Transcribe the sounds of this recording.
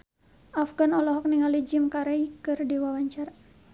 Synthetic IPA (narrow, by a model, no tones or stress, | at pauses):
afɡanɔlɔɦɔk̚niŋalid͡ʒimkaɾaikɨrdiwawaɲt͡ʃar